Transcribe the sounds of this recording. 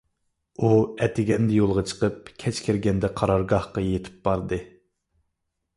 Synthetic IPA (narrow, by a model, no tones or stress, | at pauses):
uɛt̪ʰɪɡʲɛnd̪ɛjolˠʁɑt͡ʃʰə̥qəp̚kʲʰɛt͡ʃkʲʰɪɾɡʲɛnd̪ɛqʰɑɾɑɾɡɑhqɑjet̪ʰɪ̥p̚b̥ɑɾd̪ɨ